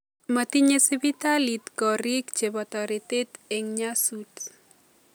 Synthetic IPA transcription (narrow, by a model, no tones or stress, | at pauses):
mat̪iɲesibit̪alit̪kɔɾikt͡ʃebɔt̪ɔɾit̪et̪eŋɲasuts